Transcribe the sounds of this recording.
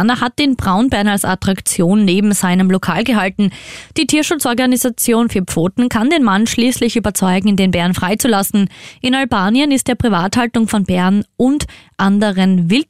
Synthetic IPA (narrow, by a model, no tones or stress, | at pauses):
nɐhat̚d̥eːnbʁaʊnbɛɐnalsatʁ̥akt͡sjoːnːeːbm̩zaɪnəmlokʰaːlɡəɦaltn̩d̥iːtʰiːɐʃʊt͡sʔɔɐɡanizat͡sjoːnfyːɐpp͡foːtn̩kʰandeːnmanʃliːslɪçyːbɐt͡sɔʏɡŋ̩ɪdeːnbɛɐnfʁ̥aɪt͡sulasn̩ʔɪnalbaːnjənɪstd̥eːɐpʁivaːthaltʊŋfɔnbɛɐnʔʊntʔandəʁənvɪlt